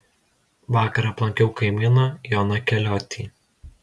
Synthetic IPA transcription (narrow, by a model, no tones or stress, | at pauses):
ʋɑːkɐɾɐːplˠɐŋʲkʲɛʊkɐɪmʲɪnoːjɔːnɐkʲɛlʲɔːt̪ʲʰiː